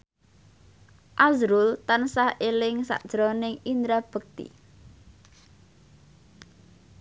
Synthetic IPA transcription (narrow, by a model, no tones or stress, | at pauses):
ʔazɾʊlt̪ansahelɪŋsa̰ʔd̥ʒ̥ɾonɪŋind̪ɾab̥ə̤k̚t̪ḭ